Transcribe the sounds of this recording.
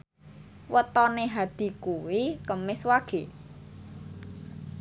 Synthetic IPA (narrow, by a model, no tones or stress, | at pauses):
wət̪ɔneɦad̪̥i̤kuwikəmɪswaɡ̥e̤